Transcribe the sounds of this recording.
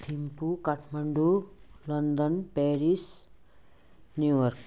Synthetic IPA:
t̪ʰimpukaʈʰmaɳɖulʌnd̪ʌnpeɾis | njujʌrk

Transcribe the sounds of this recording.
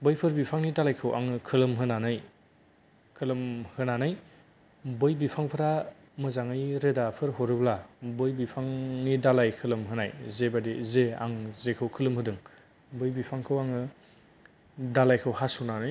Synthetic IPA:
bɯjpʰɯɾbipʰaŋnidalajkʰɯwʔa̰ŋɯkʰɯlɯmɦɯnanɯj | kʰɯlɯmhɯnanɯj | bɯjbipʰaŋpʰɯɾa | mɯzaŋɯjɾɯdapʰɯɾɦoɾɯblabɯjbipʰaŋnidalajkʰɯlɯmɦɯnajzebadizea̰ŋzekʰɯwkʰɯlɯmɦɯdɯŋ | bɯjbipʰaŋkʰɯwaŋɯ | dalajkʰɯwɦasunanɯj

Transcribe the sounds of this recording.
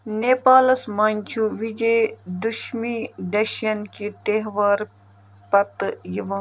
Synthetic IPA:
neːpaːlɐsmɐnʲt͡ʃʰuʋid͡ʒejd̪uʃmid̪ɐʃjɐnkit̪eɦʋaɾ | pɐt̪jiʋɐ̃

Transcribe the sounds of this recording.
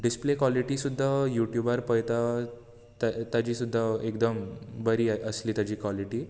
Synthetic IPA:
ɖisplekʋaliʈiːsud̪ʱːajuʈjubaɾpəjt̪a | t̪at̪ad͡ʑiːsud̪ʱːaekd̪əmbəɾiːəsliːt̪ad͡ʑiːkʋaliʈiː

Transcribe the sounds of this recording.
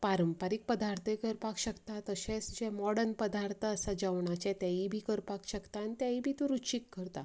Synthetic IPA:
paɾəmpaɾik̚pəd̪aɾt̪ʰkəɾpakɕəkt̪at̪əɕẽsd͡ʑemɔɽənpəd̪aɾt̪ʰəːsad͡ʑaʋɳat͡ɕɛ̃t̪jaibʱiːkəɾpakɕəkt̪ant̪jaibʱiːt̪ũɾut͡ɕikːəɾt̪a

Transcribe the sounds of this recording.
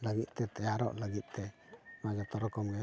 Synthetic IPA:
ləɡit̪̚ˀt̪ɛt̪ajaɾɔ̰ʔləɡit̪̚t̪ɛmad͡ʒɔt̪ɔɾɔkɔmɡɛ

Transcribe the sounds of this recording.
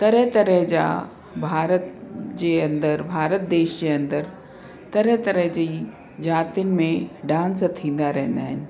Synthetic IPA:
t̪ɐɾəɦt̪ɐɾəɦd͡ʑa̰ | bʱaːɾət̪d͡ʑeɐ̃nd̪əɾbʱaːɾət̪̚d̪eːʃd͡ʑeɐ̃nd̪əɾ | t̪ɐɾət̪ɐɾəɦd͡ʑiː | d͡ʑaːt̪iənɪ̆mẽɖãːnst̪ʰĩːn̆d̪aɾɐɦɪ̃n̆d̪aːɦɪnɪ̆

